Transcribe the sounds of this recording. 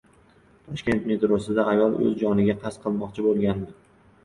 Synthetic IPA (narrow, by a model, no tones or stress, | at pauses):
t̪ʰɒʃkʲe̞nt̪me̞t̪ɾosɪd̪aːjɒlˠɵ̰zd͡ʒɒnɪɡʲaqʰɑsqʰɨlˠmɒqt͡ʃʰɪbolˠɡʲand̪ɪ